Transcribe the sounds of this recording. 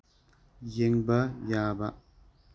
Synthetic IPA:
jeŋbajaːba

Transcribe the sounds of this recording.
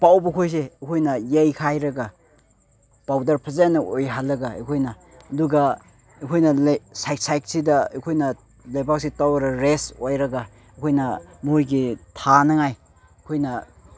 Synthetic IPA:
pawbɐkʰojs̬eːkʰojnɐjejkʰajɾɐɡa | pawdɐɾpʰɐzajanːɐojɦalːɐɡɐḛjkʰojnɐː | duɡɐ | ekʰojnɐlsajk̚sajk̚sidɐekʰojnɐ | lajbak̚sitawɐɾɐɾesojɾɐɡa | ekʰojnɐmjɡitʰanɐŋaj | kʰojnɐ

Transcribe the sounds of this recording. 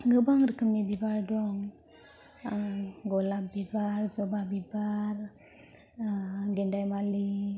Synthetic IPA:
ɡəbaŋɾəkəmːid̪ibaɾdɔŋ | ɡɔlabibaɾd͡ʒɔbabibaɾ | ɡɛɳdajmali

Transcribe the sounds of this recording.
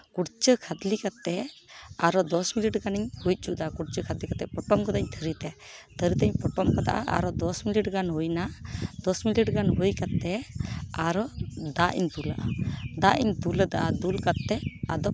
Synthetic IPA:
kuɽt͡ʃəkʰad̪likat̪ːɛaɾɔd̪ɔsmiliʈɡaniɲhuj̚ˀt͡ʃud̪akuɽt͡ʃəkʰad̪likat̪ɛpɔʈɔmkɔd̪aɲt̪ʰəɾit̪ɛt̪ʰəɾit̪ɛɲpɔʈɔmkɔd̪a̰ʔa̰ʔa̰ɾɔd̪ɔsmiliʈɡanɦujnad̪̥ɔsmiliʈɡanɦujkat̪ːɛaɾɔd̪aʔḭɲt̪ula̰ʔa̰d̪aʔiɲt̪uləd̪aʔad̪ulkat̪ːɛa̰d̪ɔ

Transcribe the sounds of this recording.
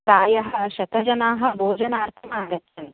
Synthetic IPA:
t̪aːjɐɦɐɕɐt̪ɐd͡ʑɐnaːɦɐbʱoːd͡ʑɐnaːɾt̪ʰɐmaːɡətːɐn

